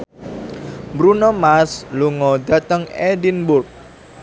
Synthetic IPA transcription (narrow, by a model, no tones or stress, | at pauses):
mbɾunɔmasluŋɔd̪ä̤t̪əŋɛdinbʊrk̚